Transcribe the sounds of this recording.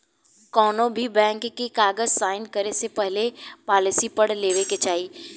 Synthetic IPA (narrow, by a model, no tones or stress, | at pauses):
kɔːnõbʱibɛ̃ːŋkːikaːɡəd͡ʒsaːɪnkɐɾesepɛɦlepaːlɪsipəɽleːʋeket͡ʃaːiː